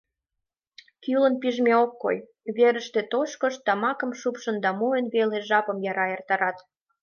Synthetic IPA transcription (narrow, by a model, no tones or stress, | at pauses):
kylə̆npiʒmʲeokːo̰j | βeɾəʃt̪et̪oʃkə̆ʃt̪ɑmɑkə̆mʃupʃə̆nd̪ɑmuənβeleʒɑpə̆mjɑɾɑert̪ɑɾɑt̪